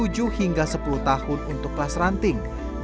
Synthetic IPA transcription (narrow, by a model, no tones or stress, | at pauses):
ud͡ʒuhiŋɡasəpuluht̪ahʊnunt̪ʊk̚plasrant̪ɪŋ